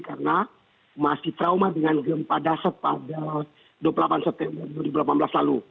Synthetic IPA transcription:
karəna | masiht̪ɾaumadəŋanɡəmpadasəpada | duapəlapansɛp̚t̪ɛmbərduwaɾibulapanblaslalu

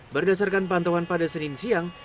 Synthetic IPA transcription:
bərdas̬arkanpant̪awanpadasəninsiaŋ

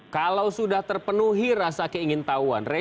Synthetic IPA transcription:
kalawsudaht̪ərpənuɦiɾasakeiŋɪnt̪aua̰nrɛ

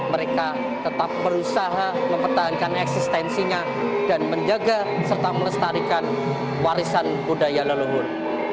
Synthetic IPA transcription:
məɾeka | t̪ət̪ap̚məɾusaɦaməmpərt̪aɦankanɛksist̪ɛnsiɲa | danməɲd͡ʒaɡasərt̪amələst̪aɾikan | waɾisanbudajaləluɦʊn

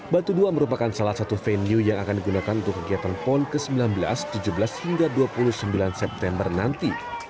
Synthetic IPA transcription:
bat̪uduaməɾupakansalahsat̪ufɛniujaŋakandiɡunakanunt̪ʊkːəɡiat̪anpɔnkəsəmbilanbəla̰st̪ud͡ʒubəlashiŋɡaduapulʊhsəmbilansɛp̚t̪ɛmbərnant̪i

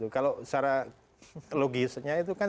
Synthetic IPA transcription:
t̪ukalosaɾa | loɡɪsɲait̪̬ukan

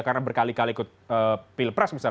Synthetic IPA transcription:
karnabərkalikaliːkʊt̪̚əpilpɾasmisa

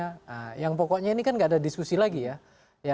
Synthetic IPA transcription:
aəjaŋpɔkɔʔɲainikanɡaːdadiskusilaɡija | ja

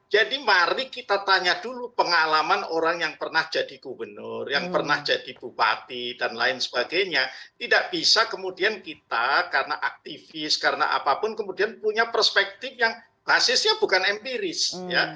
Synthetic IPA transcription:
d͡ʒadimaɾikit̪at̪aɲadulupəŋalamanoɾaŋjaŋpərnahd͡ʒadiɡ̥ubənʊrjaŋpərnahd͡ʒad̥ibupa̰t̪idanla̰ɪnsə̥b̥aɡajɲat̪idaʔb̥isakəmudiankit̪akaɾənaʔak̚t̪ifɪskaɾəna̰ʔa̰papʊnkəmudianpuɲapərspɛk̚t̪ɪfjaŋ | b̥asɪsɲab̥ukanɛmpiɾɪsja

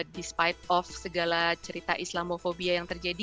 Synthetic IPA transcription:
dispajt̪̚ɔfsəɡalat͡ʃəɾit̪aʔislamofobiajaŋt̪ərd͡ʒadi

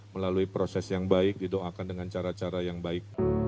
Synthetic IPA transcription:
məlaluipɾosɛsjaŋbaɪk̚didoʔakandəŋant͡ʃaɾat͡ʃaɾajaŋbaɪk̚

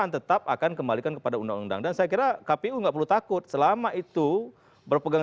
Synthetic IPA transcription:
ant̪ət̪ap̚a̰kankəmbalikankəpadaunda̰ŋunda̰ŋdansajakiɾakapeuŋɡaʔpərlut̪akʊt̪̚səlamaʔit̪u | bərpəɡaŋ

